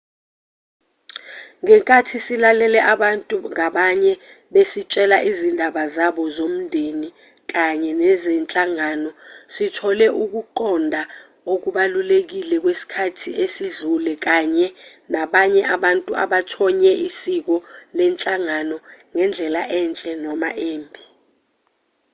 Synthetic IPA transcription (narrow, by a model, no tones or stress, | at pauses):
ŋɛŋkʼatʰisilalɛlɛʔaɓantʼuŋaɓaɲɛ | ɓesit͡ʃʼɛlaʔizindʱaɓazaɓɔzom̩ndʱeni | k̬aɲɛnɛzɛnt͡ɬʼaŋanɔsitʰɔlɛʔuk̬uǃɔndʱa | ok̬uɓalulek̬ilɛk̬wesi̥kʰatʰiʔesizulɛk̬aɲɛnaɓaɲɛʔaɓantʼua̰ɓatʰɔɲɛʔisik̬ɔlɛnt͡ɬʼaŋanɔŋɛnd͡ɮʱɛlaʔɛnt͡ɬʼɛnɔma̰ʔeːmbʱi